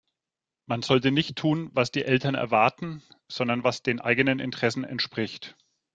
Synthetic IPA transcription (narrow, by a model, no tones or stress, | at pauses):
manz̥ɔltənɪçtʰːuːnvasd̥iːʔɛltɐnɛ̰ɐvaɐtn̩z̥ɔndɐnvasd̥eːnʔa̰ɪɡənənɪ̰ntəʁ̥ɛsn̩ɛ̰ntʃpʁ̥ɪçt